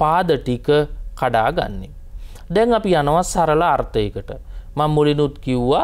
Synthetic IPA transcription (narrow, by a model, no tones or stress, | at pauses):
paːd̪əʈikəkaɖa̰ːɡa̰nːe | d̪ɛŋapijanəʋasaɾəlaːɾt̪əjekəʈəmamːulinut̪kiuʋa